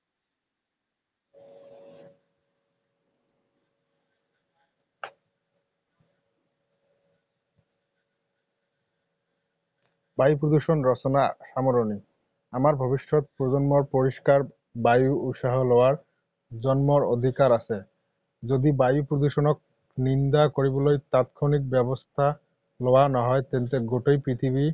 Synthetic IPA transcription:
bajupɾod̪uʃonɾɔt͡ɕonaʃamoɾoni | amaɾbʱɔbiʃːot̪̚pɾod͡ʑonmoɾpoɾiʃkaɾ | bajuut̪ʃaɦolɔwaɾ | d͡ʑɔnmoɾod̪ʱikaɾat͡ɕʰe | d͡ʑod̪ibajupɾod̪uʃonok̚ | nind̪akoɾibolojt̪at̪kʰonik̚bɛbost̪ʰa | loanaɦɔet̪ent̪eɡoʈojpɾit̪ʰibi

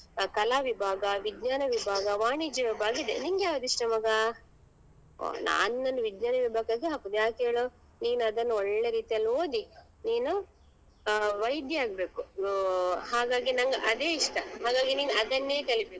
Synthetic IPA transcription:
kɐlaːʋibʱaːɡɐʋid̪ɲaːnɐʋibʱaːɡɐʋaːɳid͡ʒiʋɐbʱaːɡɐid̪eniŋɡjaːʋɐd̪iʂʈɐmɐɡɐ | na̰ːnnɐnːuʋid̪ɲaːnɐʋibʱaːɡaɡiɦakud̪jaːkeːɭo | niːnuɐd̪ɐnːuɔɭːeɾiːt̪ijɐlːoːd̪i | niːnu | ʋɐjd̪jɐaːɡbe̞ːku | ɦaːɡaːɡinɐŋɡɐʔɐd̪e̞ːiʂʈɐɦaːɡaːɡiniːnuɐd̪ɐnːeːkɐɭibe̞ːku

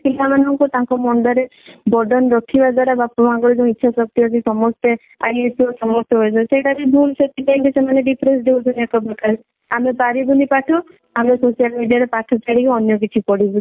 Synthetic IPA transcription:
kilamanɔŋkut̪ãŋkɔmɔɳɖɔɾebɔɖɔnɾɔkʰibad͡ʒaɾabapɔmakɔɾid͡ʒɔ̃itːʃʰasɔk̚t̪iɔkisɔmɔst̪e | aietʰusɔmɔst̪ɔɦɔjt͡ʃɔseʈaɾibʱulset̪ibaŋkesemaneɖipʰɾesd̪eut͡ʃʰɔnekɔbɔkaɾe | amepaɾibunipaʈʰɔ | amesosijalmiɖijaɾepaʈʰɔt͡ʃaɽikɔɔnjɔk̬it͡ʃʰipɔɽibu

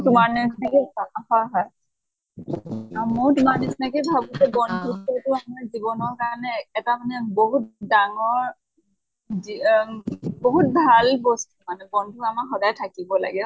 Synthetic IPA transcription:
tʊmaɹnɛsinɛkɛsaaxaɦaj | amɔjtʊmaɹnɛsinɛkɛbʱabusɛbɔndʱukotʊamnazibɔnɔɹkaɔnɛːtamanɛboɦut̚daŋɔɹ | i | boɦut̚bʱalbɔstumanɛbɔndʱuamaxɔdajtʰakibɔla̰ɡɛ

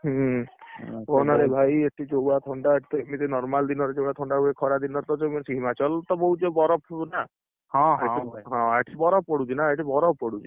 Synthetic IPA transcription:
ɦ | onaɾebʱajeʈʰid͡ʒowat̪ʰɔɳɖaeʈʰi̥t̪ɔmit̪ɔnɔɾmald̪inɔɾed͡ʒowat̪ʰɔɳɖaɦuekʰɔɾad̪inɔɾt̪ɔd͡ʒemsiɦimat͡ʃɔlt̪ɔboɦut͡ʃebɔɾɔpʰna | hɔ̃ɦḛiɦɔ̃eʈʰibɔɾɔppɔɽut͡ʃinaeʈibɔɾɔppɔɽut͡ʃʰi

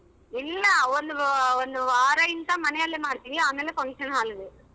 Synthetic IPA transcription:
ɪlːɐɔnd̪ɯɔnd̪ɯʋaːɾaːjɪnt̪ãːmɐnɛjɐlːemaːɽɯt̪ːiiaːmeːlɛkɔɳsɐnɦaːlɯðɯ

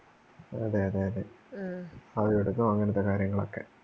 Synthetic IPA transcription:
ɐðeɐðeɐðe | ɐðijoɽunːumɐŋːɐnɐt̪ːekaːɾjɐŋːɐɭo̞̰kːe̞

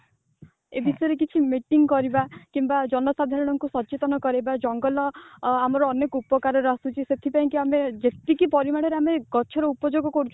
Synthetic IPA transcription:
ebisɔjɔɾek̬it͡ʃʰimiʈiŋkɔɾibakimbad͡ʒɔnɔsad̪ʱaɾɔɽ̃ɔŋkusɔt͡ʃet̪ɔnɔkɔɾibad͡ʒɔŋɡɔlɔamɔɾɔːnekɔupɔkaɾɔɾasut͡ʃʰiset̪ʰipaĩŋkiamed͡ʒet̪ikipɔɾimaɽɔɾeameɡ̥ɔt͡ʃʰɔɾɔupɔd͡ʒoɡɔkɔɾut͡ʃʰ

